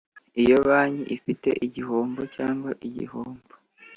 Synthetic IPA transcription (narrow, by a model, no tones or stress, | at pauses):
ijo̞βaːɲiʔifite̞̰ʔiɟihoːmbocaːŋɡwaʔiɟḭhoːmbo